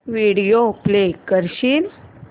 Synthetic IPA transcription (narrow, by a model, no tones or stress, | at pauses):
ʋiɽijoplekəɾɕiːn